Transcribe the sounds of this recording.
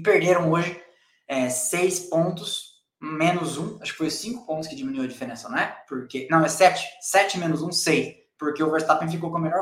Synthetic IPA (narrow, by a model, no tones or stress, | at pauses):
peɾd̪eɾɐ̃w̃oʒɪ | ɛsejspõnt̪ʊs | mẽnʊzũaʃʊ̥kɪ̥fojʊsĩŋkʊ̥põt̪ʊ̥skɪd͡ʒiminuiwɐd͡ʒifeɾẽsɐñɛpoɾkenɐ̃w̃ɛsɛt͡ʃɪ̥sɛt͡ʃɪmẽnʊzũsejs | poɾkeʊvɛɾst̪apẽfikowkõɐmelɔɾ